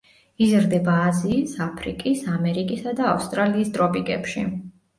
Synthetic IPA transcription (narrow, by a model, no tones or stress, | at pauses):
izɾd̪ɛbaːziːsapʰɾḭkʼisamɛɾikʼisad̪aːfst̪ʼɾaliːsd̪ɾɔpʼiɡʼɛ̰pʃḭ